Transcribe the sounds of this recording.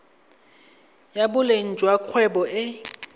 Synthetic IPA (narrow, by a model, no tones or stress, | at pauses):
jabʊlen̩t͡ʃʼwakʰwɛbɔʔɪ